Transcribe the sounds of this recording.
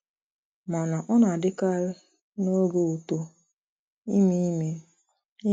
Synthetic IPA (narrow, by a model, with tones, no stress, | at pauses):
ma˨na˨ʔɔ˦na˨dɪ˦ka˦ɾ | no˦ɡo˦u˨to˦ | i˦mi˦me˦ | i˦